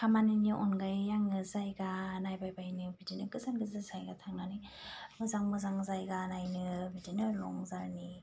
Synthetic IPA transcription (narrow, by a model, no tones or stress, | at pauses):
kʰamaniniʔɔnɡajːaŋɯzajɡanajbajbajnɯbidinɯkɯzanɡɯzɯzajɡatʰaŋnanimɯzaŋmɯzaŋzajɡanajnɯbidinɯlɔ̰ŋzaɾni